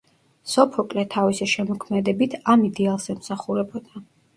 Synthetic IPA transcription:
sɔpʰɔkʼlɛt̪ʰavisɛʃɛmɔkʰmɛd̪ɛbit̪ʰamid̪ɛalˠsɛmsaχuɾɛbɔd̪̥a

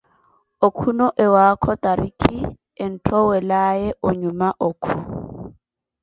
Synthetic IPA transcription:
okʰunɔʔɛwakʰɔtʼaɾikʼi | ɪn̩tʰɔwɛlajɛʔʊɲumaʔokʰu

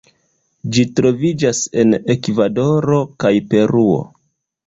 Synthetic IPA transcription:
d͡ʒitɾo̞vid͡ʒase̞ne̞kvado̞ɾo̞kajpe̞ɾuo̞̰

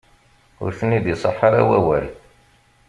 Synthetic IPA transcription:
ʊ̰ɾθənːiðjəsˤəħːɑɾa̰wæwæl

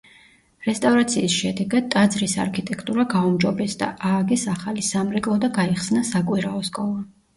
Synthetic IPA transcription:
ɾɛst̪ʼavɾat̪sʰiːsʃɛd̪ɛɡad̪̚t̪ʼad̪zɾisa̰ɾkʰit̪ʼɛkʰt̪ʼuɾaɡaumd͡ʒɔbɛsd̪a̰ʔaːɡɛsaχalisamɾɛkʼlˠɔd̪aɡaiχsnasakʼwiɾaɔskʼɔlˠa

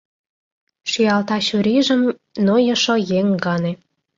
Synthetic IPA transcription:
ʃyjɑlt̪ɑɕuɾiʒə̆m | nojɤ̆ʃojeŋɡɑne

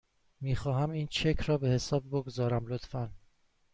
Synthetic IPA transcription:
miːxɒːhæmiːnt͡ʃʰekʰɾɒːbe̞he̞sɒːbbo̞ɡozɒːɾæmlot̪fæn

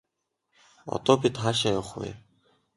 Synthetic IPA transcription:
ɔ̰t̪ɔːpʲit̪χaːʃ̬ajʊwχwḭ

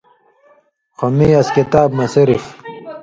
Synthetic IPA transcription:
xomiɐskit̪aːbnɐsiɾif

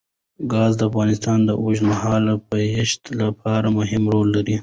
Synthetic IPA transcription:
ɡɑːzd̪əafɣɑnɪst̪ɑnd̪əʔʊʒmaɦɑlapəɪʃt̪lapʰɑɾamʊɦɪmɾolːaɾi

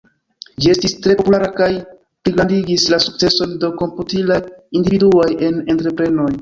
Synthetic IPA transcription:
d͡ʒie̞stistɾe̞populaɾakaj | pliɡɾandiɡislasuk̚t͡se̞so̞ndo̞ko̞mputilajindividuaje̞ne̞ntɾe̞pɾe̞no̞j

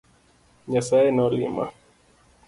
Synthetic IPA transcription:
ɲasaɛnɔlḭma̰

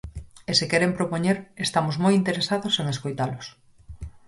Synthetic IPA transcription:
esekɛɾempɾopoɲeɾest̪amʊzmojint̪eɾesaðoseŋeskojt̪alʊs

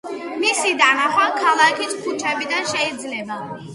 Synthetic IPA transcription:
misid̪anaχwakʰalˠakʰit̪ʰkʰut͡ʃʰɛbid̪anʃɛid̪zlɛba

